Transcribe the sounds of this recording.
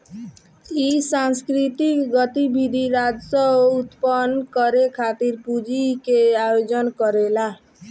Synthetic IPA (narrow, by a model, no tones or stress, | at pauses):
isanskɾit̪ikɡʌt̪ibid̪ʱiɾad͡ʒsʌut̪pənkʌɾekʰat̪iɾpud͡ʒikeajod͡ʒənkəɾela